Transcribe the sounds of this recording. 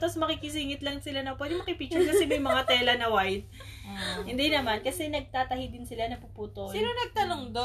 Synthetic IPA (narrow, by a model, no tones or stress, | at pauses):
t̪ɐsmɐkiːkɪs̬iːŋɪt̪lɐŋsɪlanɐpwɛd̪ɪmɐkɪpit͡ʃʊɹkɐsɛmɐjmɐŋat̪ɛːlɐnɐwajd̪̚ | hɪnd̪inɐmankɐsɛnɐɡ̚t̪aːt̪ɐhid̪ɪnsɪlanɐpupuːt̪osinonɐɡ̚t̪ɐnoŋd̪o